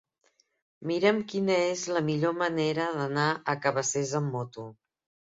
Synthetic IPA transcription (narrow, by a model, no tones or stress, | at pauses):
miɾəmkinəezləmiʎoməneɾəðənaəkəβəsezəmːɔt̪u